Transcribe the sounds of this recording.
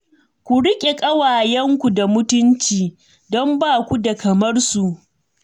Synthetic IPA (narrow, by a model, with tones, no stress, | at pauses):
kʷu˨ɽɪ˦kʲʼe˨kʼɐ˦waː˨jɛ˦ŋkʷu˨da˨mʊ˦tʊ˦nt͡ʃiː˨ | dɔ˦mbaː˦˨kʷu˦da˨kɐ˨mɐ˦rsu˨ʔ